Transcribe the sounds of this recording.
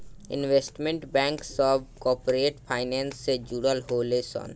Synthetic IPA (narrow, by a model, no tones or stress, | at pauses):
ɪ̰̃nʋeːsʈmẽɳʈbɛ̃ːŋksɔːbkɔːpɾeːʈpʰaːɪnɛ̃ːnsːed͡ʒuːɾəlɦoːlesɔ̰ːn